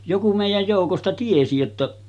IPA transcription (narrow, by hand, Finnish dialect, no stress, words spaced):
joku meˑijæj joˑukostɑ tiesi jotːɑ